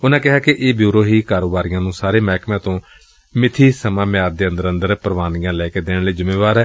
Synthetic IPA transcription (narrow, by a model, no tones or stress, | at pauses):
ʊnãːkɪɦaːkɪʔeːbjuːɾoːɦiːkaːɾoːbaːɾijãːnũːsaːɾeːmɛːkmãːt̪õː | mɪt̪ʰiːsəmãːmɪaːɾd̪eːənd̪əɾə̃nd̪əɾpɾəʋaːnijãːlɛːkeːd̪eːɽliːzʊmːeːʋaːɾɛː